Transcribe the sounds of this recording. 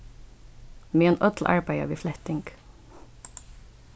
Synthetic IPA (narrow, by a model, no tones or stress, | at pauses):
meːeːnʔœt̪ʰl̩ʔɑ̰ɹbæɪɑ̰ʋiːflɛht̪ɪŋɡ